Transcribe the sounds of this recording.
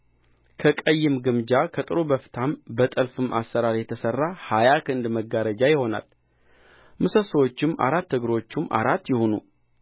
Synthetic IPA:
kʰəkʼəjːɪmɡɨmd͡ʒakʰət̪ʼɨɾubəfɨ̥t̪ʰambət̪ʼəlfɨma̰sːəɾaɾjɛt̪ʰəsərːahajakʰɨnd̪məɡaɾəd͡ʒajɪho̞na̰l | mɨsəsəwo̞t͡ʃːɪma̰ɾat̪ːɨɡɾo̞t͡ʃːɪmːʔa̰ɾat̪ːjɪho̞nṵ

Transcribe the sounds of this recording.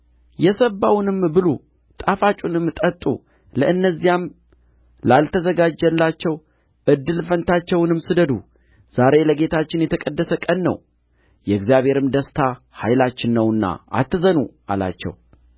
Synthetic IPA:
jɛsəbːawnɨmbɨlo | t̪ʼafat͡ʃʼunɨmːt̪ʼət̪ʼːṵ | ləʔɨnːəzːijam | lalt̪ʰəzəɡad͡ʒɛlːat͡ʃːɛw | ʔɨd̪ːɨlfənt̪ʰat͡ʃːɛwnɨmsɨd̪əd̪ṵ | z̥aɾe̞ləɡe̞t̪ʰat͡ʃːɪnjɛt̪ʰəkʼəd̪ːəsəkʼənːə̰w | jɛɨɡzijaβhe̞ɾɨmd̪əst̪ʰa | hajlat͡ʃːɪnːəwɨnːa̰ʔa̰t̪ːɨzənua̰la̰t͡ʃːɛ̰w

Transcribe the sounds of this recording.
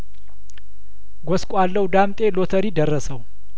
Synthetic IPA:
ɡʷɔskʷʼalːəwd̪amt̪ʼe̞lot̪ʰəɾid̪ərːəsəw

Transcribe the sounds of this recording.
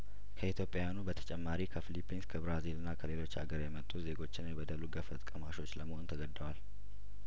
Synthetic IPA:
kʰəit̪ʰjo̞pʼjajanubət̪ʰə̥t͡ʃʼɛmːaɾikʰəfilipːinskʰəbɾazilɨnːakʰəle̞lo̞t͡ʃːa̰ɡəɾjɛmət̪ʼːuze̞ɡo̞t͡ʃːɪnjɛbəd̪əluɡəfət̪ʼkʼəmaʃo̞t͡ʃːləməhont̪ʰəɡəd̪ːəwal

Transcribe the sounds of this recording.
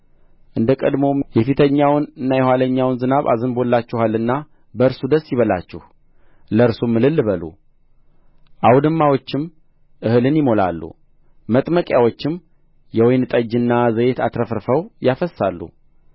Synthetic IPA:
ʔɨnd̪əkʼəd̪mo̞jɛfit̪ʰəɲːawnɨnːajɛhwaləɲːawnzɨnaβa̰zɨnbolːat͡ʃːɛhalːɨnːa | bəɨɾsud̪əsːjiβəla̰t͡ʃːɪh | ləɨɾsumːɨlɨlːɨβəlṵ | ʔawd̪ɨmːawo̞t͡ʃːɪm | ʔɨhɨlɨnjɪmo̞la̰lːṵ | mət̪ʼməkʼjawot͡ʃːɪm | jɛwɔjnɨt̪ʼəd͡ʒːɨnːazəjet̪ʰat̪ɾəfɾfəwjafəsːalːṵ

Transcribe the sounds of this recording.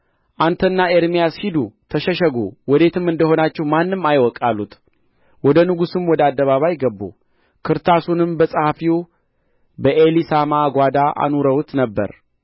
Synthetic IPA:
ʔant̪ʰənːaeɾmijashid̪ut̪ʰəʃɛʃəɡuwɔd̪e̞t̪ʰɨmɨnd̪əho̞nat͡ʃːɛwmanːɨmːajwɔkʼalːut̪ | wɔd̪ənɨɡusɨmwɔd̪əad̪ːəβaβajɡəbːṵ | kʰɨɾt̪ʰasunɨmbəsʼəhafi | bəʔelisamaɡʷad̪aʔa̰nuɾəwt̪nəbːə̰ɾ

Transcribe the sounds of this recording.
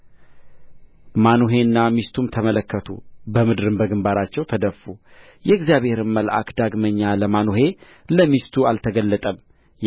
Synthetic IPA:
manuɦe̞nːamist̪ʰumt̪ʰəmələkːət̪ʰṵbəmɨd̪ɾɨmbəɡɨmbaɾat͡ʃːɛwt̪ʰəd̪əfu | jɛɡzijaβe̞ɾɨmməlʔa̰kd̪aɡməɲːaləmanuɦe̞ | ləmist̪ʰualt̪ʰəɡəlːət̪ʼəm

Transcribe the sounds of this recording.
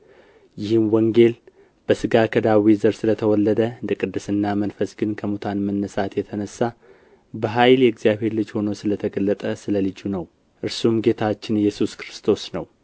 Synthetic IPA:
jɪhɨmwɔŋɡe̞l | b̥əsɨɡakʰəd̪awizəɾsɨlət̪ʰəwɔlːəd̪əɨnd̪əkʼɨd̪ːɨsɨnːamənfəsɡɨnkʰəmut̪ʰanmənːəsat̪jɛt̪ʰənəsːa | bəɦajljɛɡzijaβhe̞ɾlɨd͡ʒho̞no̞sɨlət̪ʰəɡəlːət̪ʼəsɨləlɨd͡ʒunəw | ʔɨɾsumɡe̞t̪ʰat͡ʃːɪnjɛsuskɾɨst̪ʰo̞snəw

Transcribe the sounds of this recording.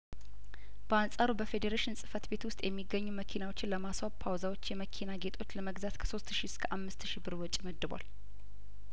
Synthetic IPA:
b̥əansʼaɾubəfe̞d̪eɾeʃɪnsʼɨ̥fət̪be̞t̪wʊst̪ʼjʔɛmːiɡəɲːuməkʰinawo̞t͡ʃːɪnləmaswapʰawzawo̞t͡ʃːjɛməkʰinaɡe̞t̪ʰʼo̞t͡ʃːləməɡzat̪kʰə̥so̞st̪ʃiskʰəʔamːɨst̪ʃibɨɾwɔt͡ʃʼːməd̪ːɨbʷa̰l

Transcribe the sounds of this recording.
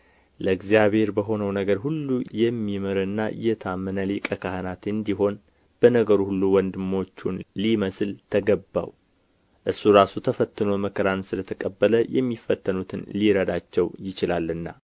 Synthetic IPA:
ləɨɡzijaβhe̞ɾbəɦo̞nəwnəɡəɾhulːujɛmːiməɾənːaɨ̰jɛt̪ʰamːənəlikʼəkʰahanat̪ɨnd̪iɦo̞n | b̥ənəɡəɾuhulːuwɔnd̪ɨmo̞t͡ʃːunliməsɨlt̪ʰəɡəbːa̰w | ʔɨɾsuɾasut̪ʰəfət̪ːɨnoməkʰəɾansɨlət̪ʰəkʼəbːələjɛ̰mːifːət̪ʰːənut̪ʰɨnliɾəd̪at͡ʃːɛwjɪt͡ʃɪlalːɨnːa

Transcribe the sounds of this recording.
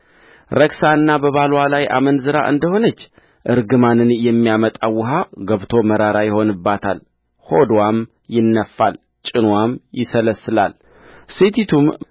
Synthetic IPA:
ɾəksanːabəβalwalajʔa̰mənzɨɾa̰ʔɨnd̪əho̞nət͡ʃː | ʔɨɾɡɨmanɨnjɛmːijamət̪ʼawːʊɦaɡəβt̪ʰo̞məɾaɾajɪho̞nɨbːat̪ʰal | ho̞d̪wam | jɪnːəfːal | t͡ʃʼɪnwamjɪsələsɨla̰l | sit̪ʰit̪ʰum

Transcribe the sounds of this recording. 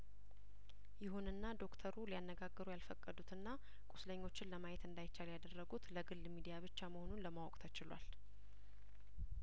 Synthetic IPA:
jɪɦunɨnːad̪o̞kt̪ʰəɾulijanːəɡaɡːəɾujalfəkʼːəd̪ut̪ɨnːa | kʼusləɲːo̞t͡ʃːɪnləmajɛt̪ɨnd̪ajɪt͡ʃːaljad̪ərːəɡut̪ləɡɨlːmid̪ijaβɨt͡ʃːaməho̞nunləmawɔkʼt̪ʰət͡ʃɪlwa̰l

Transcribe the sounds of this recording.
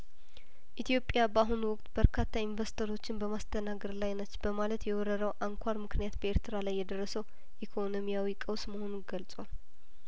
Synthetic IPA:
ʔit̪ʰijo̞pʼjabaɦunwʊkʼt̪b̥əɾkʰat̪ʰːainvəst̪ʰəɾo̞t͡ʃːɪnbəmast̪ʰənaɡəɾlajnət͡ʃːbəmalət̪jɛwɔɾəɾəwʔaŋkʷʰaɾmɨknijat̪bəe̞ɾt̪ʰɨɾalajːɛd̪ərːəsəw | ʔikʰo̞no̞mijawikʼəwsməho̞nunɡəlt͡sʼwal

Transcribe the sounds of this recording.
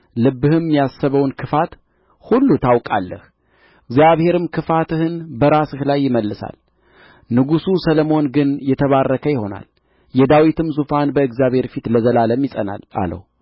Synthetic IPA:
lɨbːɨhɨmːijasːəβəwnkʰɨfat̪ | hulːut̪ʰawkʼa̰lːə̰h | ɨɡzjaβhe̞ɾɨmkʰɨfat̪ɨhɨnbəɾasɨhlajːɪməlːɨsa̰l | nɨɡususələmo̞nɡɨnjɛt̪ʰəβarːəkʰəjɪho̞na̰l | jɛd̪awit̪ɨmzufanbəɨɡzijaβhe̞ɾfit̪ləzəlaləmjɪsʼəna̰la̰lə̰h

